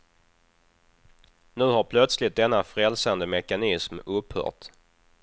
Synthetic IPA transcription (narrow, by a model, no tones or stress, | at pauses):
nʉ̟ːɦaɾpʰlœt̪slɪt̪̚d̪ɛnːafɾɛlsand̪əmɛkanɪsmɵphœ̰ːʈ